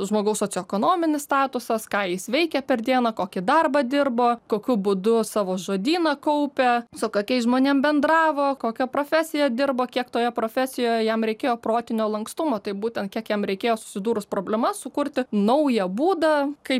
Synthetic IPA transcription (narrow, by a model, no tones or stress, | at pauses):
ʒmoːɡɐʊssoːt͡sʲɛkoːnoːmʲɪnʲɪst̪ɑːt̪ʊsɐskɑːjɪsʋʲɛɪkʲɛpʲɛrd̪ʲiɛnɐkoːkʲɪd̪ɐrbɐd̪ʲɪrboːkoːkʲʊbʊd̪ʊsɑːʋoːʒoːd̪ʲiːnɐkɐʊpʲɛsʊkokʲɛɪsʒmoːnʲeɛmbʲɛnd̪ɾɑːʋoːkoːkʲɛpɾoːfʲæsʲɪjɛd̪ʲɪrboːkʲiɛkt̪oːjɛpɾoːfʲæsʲɪjoːjɛjɛmɾʲɛɪkʲeːjoːproːt̪ʲɪnʲoːlˠɐŋkst̪ʊmoːt̪ɐɪbuːt̪ʲɛnt̚kʲiɛkjɛmɾʲɛɪkʲeːjoːsʊ̥sʲɪd̪uːɾʊspɾoːbʲlʲɛmɐssʊkʊrʲt̪ʲɪnɐʊjɛbuːd̪ɐkɐɪp